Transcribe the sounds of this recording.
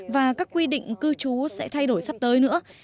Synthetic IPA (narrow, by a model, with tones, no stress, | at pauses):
vaː˨˩kaː˦˥kːwi˧ɗḭ̈˧˨ŋ̟kɨ˧t͡ɕu˨˦sɛ̰˧˥t̪ʰa˧jɗo˧˩jsa˦˥p̚t̪əː˨˦jnɨ̰˧˥ə